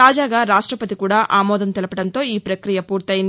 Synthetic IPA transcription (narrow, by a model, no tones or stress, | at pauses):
aːd͡ʒaːɡaːɾaːʂʈɾɐpɐt̪ikuːɽaːʔaːmɔːd̪ɐnt̪ɛlɐpɐɽɐnt̪o̞ːiːpɾɐkɾijɐpuːɾt̪ɐjin